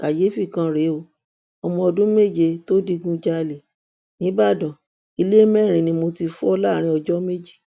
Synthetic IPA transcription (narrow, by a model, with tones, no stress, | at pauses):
ka˨je˨˦fi˦˨kã˧˦ɾe˨˦o˧ | ɔ˧mɔ̃˧ɔ˧dũ˦me˦˨d͡ʒe˧to˦di˧ɡũ˦d͡ʒa˧˦˧le˨ | nĩ˨˦ba˦˨dɔ̃˨ | i˧le˦mɛ˦˨ɾ̃ĩ˧nĩ˧mo˧ti˧fu˦ɔ˧la˦˨ɾ̃ĩ˧˦ɔ˧d͡ʒɔ˦me˦d͡ʒi˦˨